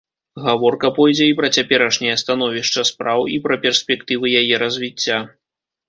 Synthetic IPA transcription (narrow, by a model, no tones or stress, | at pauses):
ɣavɔrkɐpɔjd͡zʲɛipɾɐt͡sʲapʲɛɾɐʂnʲɐjɐst̪an̪ɔvʲiʂt͡ʂɐspɾawipɾɐpʲɛrsʲpʲɛkt̪ɨvɨjajɛɾɐzʲvʲit͡sʲːa